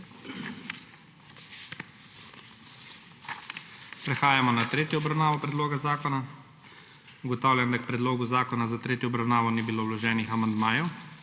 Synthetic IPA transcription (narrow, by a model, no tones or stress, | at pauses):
pɾɛxaːjamɔnat̪ɾeːt̪jɔɔbɾawnaːʋɔpɾɛd̪loːɡazaːkɔna | uɡɔt̪aːwljamd̪ak̚pɾɛd̪loːɡuzaːkɔnazat̪ɾeːt̪jɔɔbɾawnaːʋɔnibiloːwlɔʒɛːnixamand̪maːjuw